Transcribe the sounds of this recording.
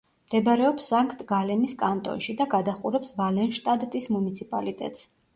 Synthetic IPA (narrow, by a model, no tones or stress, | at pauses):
md̪̥ɛbɾɛɔpsːaŋkʰʼt̪ʼɡalɛniskʼant̪ʼɔ̰nʃid̪aɡad̪aχuɾɛpsvalɛnʃt̪ʼad̪t̪ʼismunit̪sʰipʼalit̪ʼɛ̰t̪ʼs